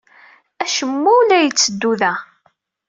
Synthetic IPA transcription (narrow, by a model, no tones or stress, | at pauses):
æʃəmːuwlæjət͡sːəd̪ːuðæ